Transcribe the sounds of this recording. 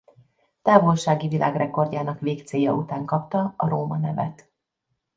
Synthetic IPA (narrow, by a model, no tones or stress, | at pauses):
t̪aːvo̞lʃaːɡivilʔa̰ːɡrɛko̞rɟaːnɒkʋeːkt̪seːjɒ̰ut̪aːŋkɒp̚t̪ɒɒɾoːmɒnɛvɛ̰t̪